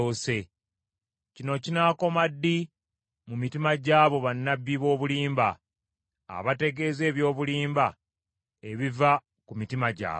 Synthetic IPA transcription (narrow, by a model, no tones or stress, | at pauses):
ose̞ | cino̞cinaːko̞madːi | mumitimaɟaːβo̞βanːabːiβo̞ːβuliːmba̰ː | βate̞ɡe̞ːze̞ːβjo̞ːβuliːmba | e̞βiva | kumitimaɟa̰ː